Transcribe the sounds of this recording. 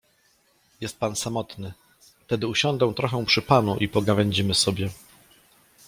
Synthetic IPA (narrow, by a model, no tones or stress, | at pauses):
jɛst̪̚pansamɔt̪nɘ | ft̪ɛd̪ɘuɕɔnd̪ɛ̃w̃t̪ɾɔxɛw̃pʂɘpanuʔipɔɡavɛɲd͡ʑimɘsɔbʲjɛ